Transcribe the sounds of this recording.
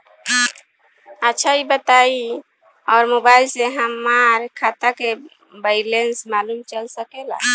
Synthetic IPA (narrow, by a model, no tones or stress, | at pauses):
ətːʃʰaibət̪ai | ɔːɾmobailseɦəmːaɾkʰat̪ake | baɪlensmalumt͡ʃəlsəkela̰